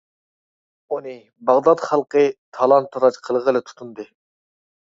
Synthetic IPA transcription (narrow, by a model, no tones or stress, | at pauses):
unɨ | bɑʁd̪ɑt̪χɑlˠqət̪ʰɑlˠɑnt̪ʰːɑɾɑt͡ʃqʰəlˠʁəlˠɨt̪ʰu̥t̪ʰund̪ɨ